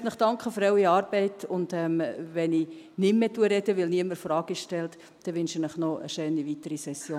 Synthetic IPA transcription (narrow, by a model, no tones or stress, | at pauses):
tnəχd̥ɑŋkχəfɾɛwiɑːɾb̥ɛɪtʊnd̥̪ɛmʋɛni | nɪmːeːtuəɾɛdəʋɪlniəməɾfɾɑːɡ̥iʃtɛlt̪ | d̪̥ɛʋʏnʃɪnəχnɔʔə̰ʃœːniʋit̪əɾisɛsːjoː